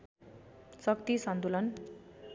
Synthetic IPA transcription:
t͡sʌkt̪isʌnt̪ulʌn

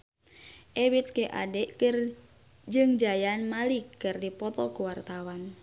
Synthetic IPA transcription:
ʔewit̪̚keʔa̰dɛʔkr | d͡ʒɨŋd͡ʒajanmalikːɨrdipɔt̪ɔkuwart̪awan

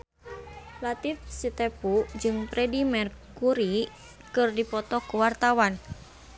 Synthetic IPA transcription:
lat̪ifsit̪ɛpud͡ʒɨŋpɾɛdimɛrkuɾi | kɨrdipɔt̪ɔkuwart̪awan

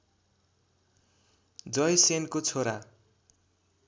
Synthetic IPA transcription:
d͡zʌjsenkot͡sʰoɾa

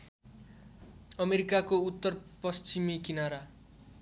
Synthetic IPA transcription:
ʌmeɾikakout̪ːʌrpʌst͡ɕimikinaɾa

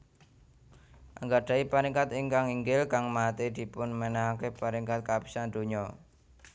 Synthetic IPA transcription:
ʔaŋɡaɖ̥ä̤ipaɾiŋkat̪ɪŋkaŋiŋɡɪlkaŋmat̪ed̪̥i̤pʊnmənaɦakepaɾiŋkat̪̚kapi̥sand̪̥o̤ɲɔ

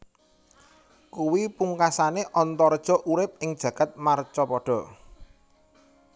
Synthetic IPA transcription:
kuwipuŋkasaneʔɔnt̪ɔrd̥ʒ̥ɔ̤ʔuɾɪp̚ɪŋd̥ʒ̥ä̤ɡ̥a̤t̪̚mart͡ʃɔpɔɖ̥ɔ̤

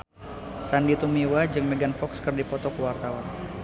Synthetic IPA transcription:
sandit̪umiwad͡ʒɨŋmɛɡanfɔkskərdipɔt̪ɔkəwart̪awan

